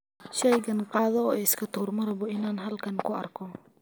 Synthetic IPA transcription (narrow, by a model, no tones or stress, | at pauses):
ʃɛjɡɐnqɑːðɔɔːɪskʰɐt̪ʰuːrmɐɾɐβɔɪnaːnɦɐlkʰɐnkʰʊɐ̰rkʰɔ